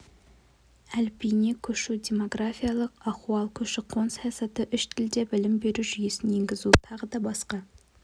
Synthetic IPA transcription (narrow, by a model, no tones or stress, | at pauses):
ælpʰinekʲʰɵʃud̪ʲe̞mo̞ɡrafijalˠəqɑquwɑlˠkʲʰɵʃɪqʰːonsɑjɑsɑt̪əʔʏʃt̪ʰɪld̪ebɪlɪmbe̞ɾuʒyjesɪnjeŋɡʲɪzut̪ʰɑʁəd̪ɑbɑsqɑ